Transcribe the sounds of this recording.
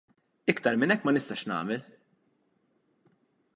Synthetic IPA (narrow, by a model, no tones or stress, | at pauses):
ɪkt̪ɐɾmɪnɛkːmɐnɪst̪ɐʃnɐ̰ːmɛl